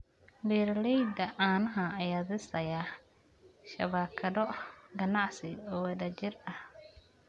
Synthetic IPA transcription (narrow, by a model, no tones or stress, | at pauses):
biːɾlɛjd̪ɐʔaːnɐɦɐɐjaːðɪsɐja | ʃɐ̰βaːkʰɐðɔɡɐnɑʕsɪɔːɪðɐt͡ʃɪrɐh